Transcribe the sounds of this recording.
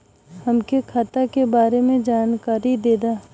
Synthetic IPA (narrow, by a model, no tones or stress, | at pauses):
hɐmkekʰaːt̪akebaːɾemẽd͡ʒaːnkaːɾid̪eːd̪aː